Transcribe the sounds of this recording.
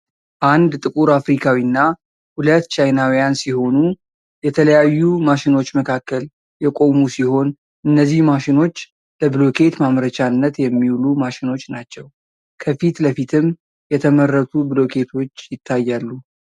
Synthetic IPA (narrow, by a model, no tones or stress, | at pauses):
ʔand̪t̪ʼɨkʼuɾafɾikʰawinːa | hulət̪ːt͡ʃʰajnawijansiho̞nu | jɛt̪ʰələjajːumaʃino̞t͡ʃːməkʰakːəl | jɛkʼo̞musiho̞n | ʔɨnːəzːihmaʃɪno̞t͡ʃː | ləbɨlo̞kʰe̞t̪mamɾət͡ʃanːət̪jɛmːiwulumaʃɪno̞t͡ʃːnat͡ʃːɛw | kʰəfit̪ləfit̪ʰɨm | jɛt̪ʰəmərːət̪ʰubɨlo̞kʰe̞t̪ʰo̞t͡ʃːjɪt̪ʰːajːalːu